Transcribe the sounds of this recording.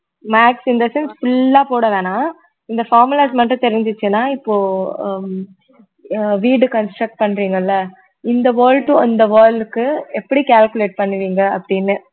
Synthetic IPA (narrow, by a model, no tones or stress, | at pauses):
maːksɪnd̪ɐsɛnsfʊlːaːpoːɽɐʋẽːnaː | ɪnd̪ɐfaːɾmɯlɐːsmɐʈɾɯ̃t̪ɛɾɪɲd͡ʒɯt͡ʃːɯnaːɪpːoː | ʋiːɖɯkɐnsʈɾɐk̚ʈ̚pɐɳːɾiːŋɡɐɪlːɐ | ɪnd̪ɐʋɐːɾlʈʊ̃ɔnd̪ɐʋɐːɾɭɖɯkːɯɛpːɐɽikaːlkɯleːʈ̚pɐɳːɯʋiːŋɡɐɐpːɐɽɪnːɯ